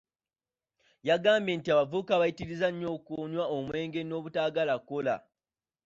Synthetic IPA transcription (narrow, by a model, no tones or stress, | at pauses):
jaɡaːmbe̞ːntiaβavukaβajitiɾizaɲːo̞ːkuɲwaomwe̞ːŋɡe̞no̞ːβutaːɡalako̞la̰